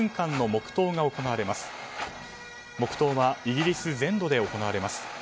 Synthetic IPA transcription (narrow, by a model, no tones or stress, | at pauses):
ŋkãnːo̞mo̞kɯ̟̥t̪o̞ːɡao̞ko̞naβaɾe̞masɨ̥ | mo̞kɯ̥t̪o̞ːβaiɡʲiɾʲisɨzẽ̞nd̪o̞d̪e̞o̞ko̞naβaɾe̞masɨ̥